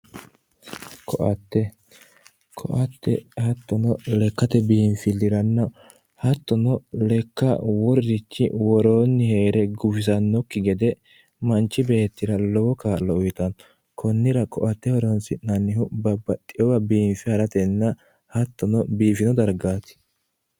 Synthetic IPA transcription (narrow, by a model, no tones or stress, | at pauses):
kʰɔʔɐt̪ːɛ | kʰɔ̰ʔɐt̪ːɛ̰hɐt̪ːɔnɔlɛkːɐt̪ɛbiːnfɪlːɪɾɐnːɐ | hɐt̪ːɔnɔlɛkːɐwɔɾːɪt͡ʃːɪ̰wɔɾoːnːɪhe̞ːɾɛɡʊfɪs̬ɐnːɔkːɪɡɛd̪ɛ | mɐnt͡ʃːɪbeːt̪ːɪɾɐlɔwɔkaːlːɔʊjt̪ɐn | kʰɔnːɪɾɐkʼɔʔɐt̪ːɛhɔɾonsɪnːɐnːɪhʊbɐbːɐt̪ʼːɪjɔwɐbiːmfɪhɐɾɐt̪ɛnːɐ | hɐt̪ːɔnɔbiːfɪnɔd̪ɐɾɡaːt̪ɪ̥